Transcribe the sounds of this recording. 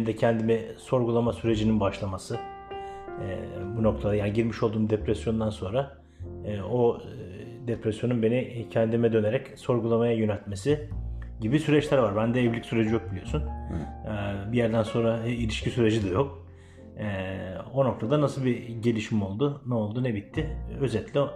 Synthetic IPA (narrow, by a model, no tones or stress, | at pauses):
d̪ɛcʰɛnd̪imɛso̞ɾɡulˠamasyɾe̞d͡ʒininbaʃlˠamasɯ | buno̞k̚t̪ʰaajanɟiɾmiʃolˠd̪uːmd̪epɾɛsjo̞nd̪anso̞nɾa | o | d̪epɾɛsjo̞nunbe̞nicʰɛnd̪imɛd̪ø̞neɾɛcso̞ɾɡulˠamajajø̞nɛlʲt̪me̞siɟibisyɾɛt͡ʃlʲæɾvaɾbænd̪ɛɛvlʲicʲsyɾe̞d͡ʒijo̞k̚bilʲijo̞sun | bijæɾd̪ænso̞nɾailʲiʃcisyɾe̞d͡ʒid̪ɛjok̚ː | o̞no̞k̚t̪ʰad̪anasɯlˠbiɟe̞lʲiʃimo̞lˠd̪unɛo̞lˠd̪unɛbit̪ʰːɪø̞zɛt̪lʲi